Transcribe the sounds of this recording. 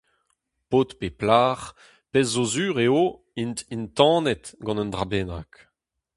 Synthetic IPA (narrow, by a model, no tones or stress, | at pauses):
poːt̪peplaːʁ | pɛzːozyːʁeo | int̪int̪ɑ̃ːnɛt̪ɡɑ̃nənd̪ʁabɛna̰k